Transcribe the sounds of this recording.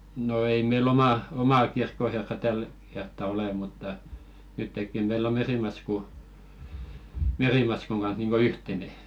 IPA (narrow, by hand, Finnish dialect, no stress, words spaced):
no ei meil omɑˑ omɑˑ kirkːoherːɑ tæl kertːɑ ole mutːɑ nytːekːi meilː o meriˑmɑsku meriˑmɑskuŋ ɡ̊ɑnh̞ niːŋɡ̊o yhtene